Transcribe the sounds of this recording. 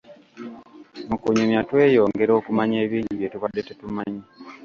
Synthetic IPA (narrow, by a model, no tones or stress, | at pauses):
mukuɲumjatwe̞ːjo̞ːŋɡe̞ɾo̞ːkumaɲeːβiːɲɟiβje̞tuβadːe̞tetumaɲi